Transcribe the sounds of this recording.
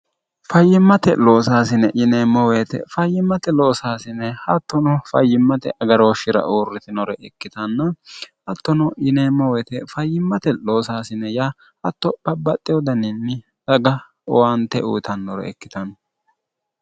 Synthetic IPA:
fɐjːɪmːɐt̪ɛlo̞ːsaːsɪnɛʔɪneːmːɔweːt̪ɛ̰fɐjːɪmːɐt̪ɛloːsaːsɪnːɛhɐt̪ːɔnɔfɐ̰jːɪmːɐt̪ɛ̰ʔɐɡɐɾoːʃɪɾɐ̰ʔoːrːɪt̪ɪnɔɾɛʔɛkːɪt̪ɐnːɐhɐt̪ːɔnɔɪneːmːɔwɛːt̪ɛfɐjːɪmːɐt̪ɛloːsaːsɪnɛjaː | hɐt̪ːɔb̥ɐbːɐt̪ʼːɪjɔd̪ɐnɪnːɪ | sɐɡɐ | ɔwant̪ɛṵːt̪ɐnːɔɾɛ̰ɛkːɪ̥t̪ɐnɔ

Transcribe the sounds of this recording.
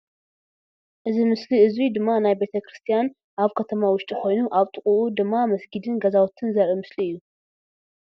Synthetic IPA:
ʔɨzimɨsliɨzid̪ɨmːanajbe̞t̪ʰɐkɾɨst̪ʰijan | ʔaβkʰɐt̪ʰɐmawʊʃt̪ʼixo̞jnuʔaβt̪ʼɨχʼuʔud̪ɨmːamɐsɡid̪ɨnɡɐzawt̪ʰɨnzɐɾimɨsliɨjːu

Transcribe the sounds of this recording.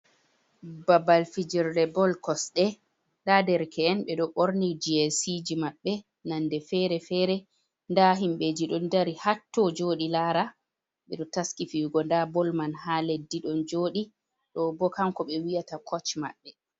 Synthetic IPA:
babalfid͡ʒɛɾlɛbɔlkɔsɗɛ | ndadɛɾkʰɛːnɓɛɗɔɓoɾnid͡ʒiɛsid͡ʒimaɓːɛ | nandɛfɛɾɛfɛɾɛ | ndaɦimɓed͡ʒiɗɔndaɾihatːɔd͡ʒoːɗilaɾa | ɓɛ̰ɗɔtaskifiwɡɔndabɔlmanhaledːiɗɔnd͡ʒoːɗi | ɗɔbɔkamkɔɓɛwijatakʰɔt͡ʃma̰ɓːɛ

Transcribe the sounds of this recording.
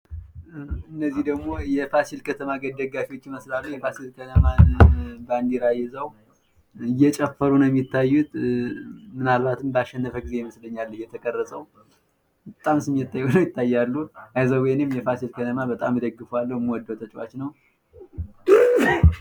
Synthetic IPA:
ɨnːəzːihd̪əɡmo̞jɛfasilkʰət̪ʰəmaɡəd̪əɡafiwo̞t͡ʃːməslalujɛfasilkʰət̪ʰəmaband̪iɾajɛzəw | ɨjːɛt͡ʃʼɛfːəɾunəɛmːɪt̪ʰːajːut̪ | mɨnalbat̪ɨmbəaʃːɛnːəfəɡize̞jməsləɲːalːəjɛt̪ʰəkʼərːəsʼəw | bət̪ʼamsɨmːijɛt̪ʰːajːnəwjɪt̪ʰːajːalːuajzəwwɔjnɨmjɛfasilkʰət̪ʰəmabət̪ʼamːɨd̪əɡːɨfoalːəwmwɔd̪ːot̪ʰət͡ʃʼwa̰t͡ʃːnəw

